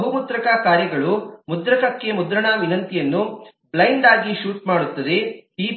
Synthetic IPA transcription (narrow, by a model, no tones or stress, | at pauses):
ɦumut̪ɾɐkɐkaːɾjɐɡɐɭumud̪ɾɐkɐkːe̞mud̪ɾɐɳɐʋinɐnt̪ijɐnːu | blɐjɳɖaːɡiʃuːʈ̚maːɽut̪ːɐd̪e̞iː